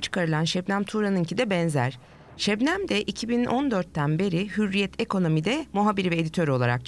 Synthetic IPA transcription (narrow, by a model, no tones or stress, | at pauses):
t͡ʃʰɯ̥kʰaɾɯlˠanʃɛbnæmt̪ʰuɾanɯncʰid̪ɛbɛnzæ̰ɾ̥ | ʃɛbnæmd̪ɛʔicʰibinond̪øɾt̪ːænbe̞ɾihyɾːijɛt̪ʰekʰo̞no̞mid̪ɛmuɦabiɾivɛed̪it̪ʰø̞ɾyolˠa̰ɾa̰k̚t͡ʃʰ